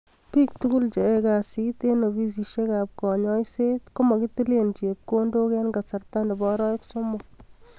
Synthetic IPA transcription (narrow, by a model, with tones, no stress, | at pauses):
piː˦k̚tukʊ˦lt͡ʃe˨e˦ka˨si˦t̪e˦no˨bi˦s̬i˨ʃe˦ka˨p̚kɔ˨ɲɔ˦jse˦t̪kʊ˦ma˨kɪ˦ti˦le˦nt͡ʃe˨p̚ko˦ndo˦kɛ˦nɡa˨sa˨rt̪a˦nde˨bɔ˦ɾɔ˦ɪ˦ksomʊ